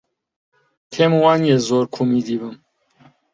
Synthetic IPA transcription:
kʰemwaːnjezoɾkʰumid̪ibɨm

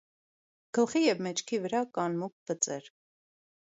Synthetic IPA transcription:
ɡ̥əlχijɛvmɛt͡ʃʰkʰivəɾɑkɑnmuk̚v̥ət͡sʼɛɾ

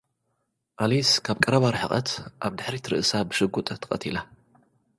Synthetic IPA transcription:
ʔaliskʰaβkʼɐɾɐβaɾħɨχʼɐt̪ʔaβd̪ɨħɾit̪ʰɨɾɨ̰ʔɨsabɨʃɨɡut̪ʼt̪ʰɨ̥χʼɐt̪ʰila

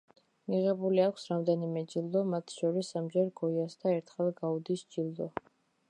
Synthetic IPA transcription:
miʁɛbuliakʷʰsɾamd̪ɛnimɛd͡ʒild̪ɔmat̪ʰʃɔɾisamd͡ʒɛɾɡɔjasd̪aɛɾt̪ʰχɛlˠɡaud̪isd͡ʒilˠd̪ɔ

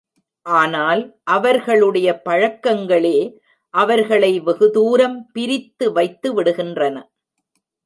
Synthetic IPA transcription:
ʔaːnaːlʔɐʋɐɾɣɐɭɯɽɐjɐpɐɻɐkːɐŋɡɐɭeː | ʔɐʋɐɾɣɐɭɐɪʋɛɣɯðuːɾɐmpɪɾɪt̪ːɯʋɐɪt̪ːɯʋɪɽɯɣɪndrɐnɐ

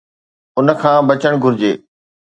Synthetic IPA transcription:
ʊnə̆kʰãːbɐt͡ɕəɽ̃ɡʱʊɾɪd͡ʑeː

